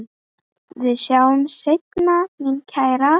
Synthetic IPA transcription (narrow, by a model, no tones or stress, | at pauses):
ðɪsjawmsejt̪namincʰajɾa